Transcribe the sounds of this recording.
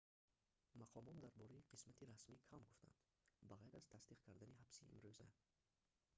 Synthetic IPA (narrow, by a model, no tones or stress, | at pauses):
maqʰɔmɔt̪d̪aɾbɔɾaiqʰismat̪ʰiɾasmikʰamɡuft̪ʰa̰nd̪ | baʁajɾaz̥t̪ʰasd̪iqkʰaɾd̪aniɦabsiḭmɾøza̰